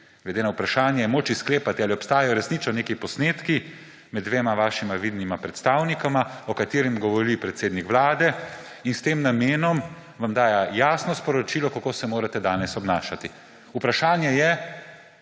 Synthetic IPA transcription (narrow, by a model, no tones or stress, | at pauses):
ɡlɛd̪eːnaupɾaʃaːnjajɛmoːt͡ʃiskleːpat̪ialiɔpst̪aːjajɔɾɛsnit͡ʃɔneːkipɔsneːt̪ki | mɛd̪dːʋeːmaʋaːʃimaʋiːd̪nimapɾɛt̪st̪aːwnikamaɔkat̪eːɾimɡɔʋɔɾipɾɛt̪seːd̪nikʋlaːd̪ɛ | inst̪eːmnameːnɔm | ʋamd̪aːjajaːsnɔspɔɾɔt͡ʃiːlɔkakoːsɛmoːɾat̪ɛd̪aːnɛsɔbnaːʃat̪i | upɾaʃaːnjɛjɛ